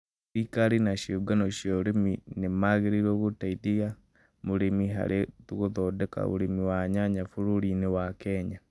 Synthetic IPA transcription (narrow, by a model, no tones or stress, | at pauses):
ikaɾinaʃoɡanoʃjɔɾeminemaɣeɾiɾɔɣotaidiɣa | moɾemiɦa̰ɾʔetuɣoðɔdɛka̰o̰ɾemiwaɲaɲafuɾuɾinewakɛɲa